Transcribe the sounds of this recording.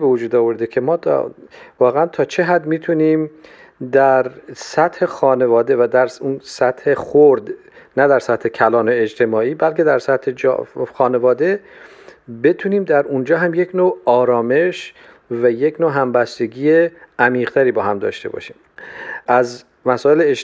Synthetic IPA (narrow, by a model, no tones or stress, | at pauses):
bevod͡ʒuːd̪ɒːvo̞ɾd̪ecʰe̞mɒːt̪ʰvɒːɣeænt̪ʰɒːt͡ʃʰe̞ɦæd̪miːt̪ʰuniːm | d̪æɾsæt̪he̞xɒːne̞vɒːd̪e̞væd̪æɾsunsæt̪he̞xoɾd̪ | næd̪æɾsæt̪he̞cʰælɒːno̞ed͡ʒt̪ʰe̞mɒːiːbælke̞d̪æɾsæt̪hed͡ʒ̰xɒːne̞vɒːd̪e̞ | be̞t̪ʰuniːmd̪æɾund͡ʒɒːɦæmje̞cʰnoːɒːɾɒːme̞ʃ | væje̞cʰnoːɦæmbæst̪e̞ɡiːjeæmiːʁt̪ʰæɾiːbɒːhæmd̪ɒ̰ːʃt̪e̞bɒ̰ʃiːm | ʔæz | mæsɒːele